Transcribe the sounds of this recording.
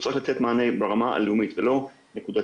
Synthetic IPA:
t͡sʁotlat͡set̪maːnejbeʁamaʔa̰lumit̪velo̞ | nekud̪a

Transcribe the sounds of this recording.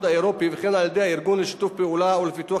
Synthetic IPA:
d̪aeɾopivɪxenaljad̪ehaɪɾɡuːnlɪʃi̥t̪uːffpeʔuːlawlfɪt̪ua

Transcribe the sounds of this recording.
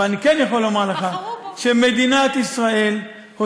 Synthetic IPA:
anikenjaχolːomaʁleχaʃeme̞d̪inat̪isʁae̞l | ho

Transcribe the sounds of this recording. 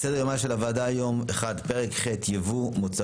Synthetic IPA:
sedejomaʃelavaːdajo̞meχadpeʁekχetjevumot͡sa

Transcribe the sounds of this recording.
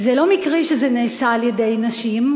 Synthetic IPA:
zelo̞mikʁiʃezeneːsaːljede̞jnaʃim

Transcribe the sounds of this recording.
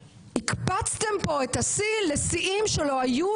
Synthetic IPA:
hikpat͡st̪e̞mpo̞et̪asilesiʔimʃelo̞aju

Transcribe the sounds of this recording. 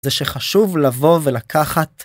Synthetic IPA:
zeʃeχaʃuvlavo̞velakʰaχat

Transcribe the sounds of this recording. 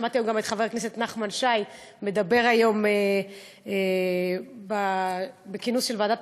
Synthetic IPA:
mat̪ijomɡamet̪χave̞ʁkneset̪naχmanʃaj | me̞d̪abe̞ʁajo̞me | e | babekinusʃelveadat

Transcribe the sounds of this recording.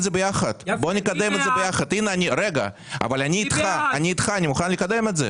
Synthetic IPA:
dzebejaχɐd̪̥bonʲikad̪emet̪zebejaχɐd̪ineanʲiɾeɡɐ̰ | a̰valʲanʲiːt̪χaanʲiːt̪χaanʲimuχanlʲikad̪e̞met̪ze

